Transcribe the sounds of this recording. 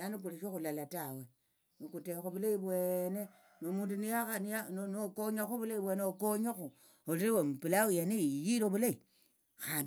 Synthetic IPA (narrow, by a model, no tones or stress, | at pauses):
anik̬uliʃoxulalatawe | nikutexuβulaiβwene | nomuːnduniaanianonokoɲaxuβulaiβweːneokoɲaxu | oliɾiwemupilawijanijiɾoβulai | xaːn